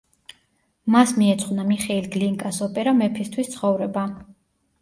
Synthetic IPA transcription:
masmiɛt̪sʰʼχwvnamiχɛilɡliŋkʼasɔpʼɛɾamɛpʰist̪ʰwist̪sʰχɔvɾɛba

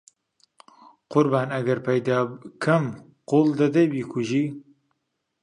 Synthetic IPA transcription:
qʊɾbaːnɐɡɐɾpɛjd̪aːkʰɨm | qold̪ɐd̪ɛjbiːkʰuʒiː

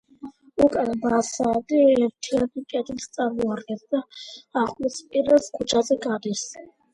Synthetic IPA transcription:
ukʼanbasaːd̪iɛɾt̪ʰianikʼɛd̪ilst̪sʼaɾmɔaɾɡɛnd̪aːχʼlispʼiɾɛlskʰut͡ʃʰazɛɡad̪is

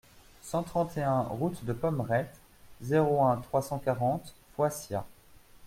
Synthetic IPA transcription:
sɑ̃t̪χɑ̃t̪eɛ̃ʁut̪d̪əpɔmʁɛt̪ | zeʁoɛ̃t̪χwasɑ̃kaʁɑ̃t̪ | fwasja̰

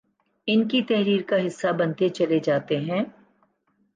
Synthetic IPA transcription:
ɪnkit̪ɛɦɾiːɾkaɦɪsːabɐnt̪et͡ʃɐled͡ʒaːt̪eɦɛ̃ː

